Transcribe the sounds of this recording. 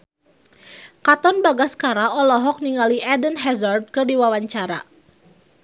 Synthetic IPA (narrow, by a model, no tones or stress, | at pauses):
kat̪ɔnbaɡaskaɾaɔlɔɦɔk̚niŋaliɛdənɦɛzard̪̚kərdiwawaɲt͡ʃaɾa̰